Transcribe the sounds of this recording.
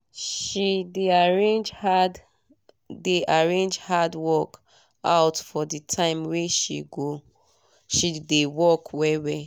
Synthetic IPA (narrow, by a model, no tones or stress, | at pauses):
ʃideaɹend͡ʒad | deʔaɹẽnd͡ʒhadwɔk | aʊtfɔditʰãɪ̃mwɛʃḭɡo | ʃidewɔkwɛwɛ